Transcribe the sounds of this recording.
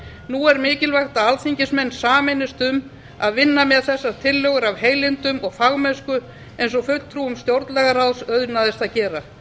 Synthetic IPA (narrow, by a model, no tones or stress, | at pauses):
nuɛɾmɪːcɪlvajxt̪aalθiɲcɪsmɛnːsaːmɪnːɪst̪ʏm | aðvɪnːamɛðθɛsːaɾt̪ʰɪlːœɣʏɾavheːjlɪnt̪ʏmɔɣfaɣmɛskʏ | ejnsɔɣfʏ̥t̪ʰɾuːʏmst̪jowɾt̪lɛɣaɾawsœðnaðɪst̪aðcɛːɾa